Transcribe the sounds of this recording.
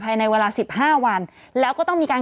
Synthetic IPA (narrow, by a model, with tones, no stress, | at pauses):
pʰaː˧jna˧jweː˧laː˧si˨˩p̚haː˥˩wa˧n | lɛː˦˥wkɔː˥˩t̪ɔ˥˩ŋmiː˧kaː˧n